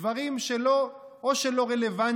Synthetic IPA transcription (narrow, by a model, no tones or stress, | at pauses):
vaʁimʃelo | oʃelo̞ʁelevan